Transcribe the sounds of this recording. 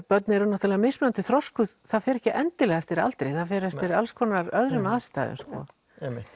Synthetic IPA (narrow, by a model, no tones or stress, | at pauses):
pœt̪nɪɛɾʏnɔht̪alɛɣamɪsmɛant̪ɪθɾɔskʏðθaðfɛɾɛhcɪʔɛnt̪ɪlɛːɣaɛft̪ɪɾa̰lt̪ɾejθaðfɛɾɛft̪ɪɾalskʰɔnaɾœðɾɪmaːst̪a̰ːjðɪ̰nskɔ̰ | ɛmɪ